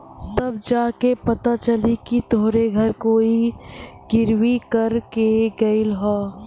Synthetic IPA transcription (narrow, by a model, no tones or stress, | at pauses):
t̪ɐbd͡ʒaːkepɐt̪at͡ʃɐlikit̪oːɾeɡʱɐɾkoːiɡɪɾwikɐɾkeɡɐilɦoː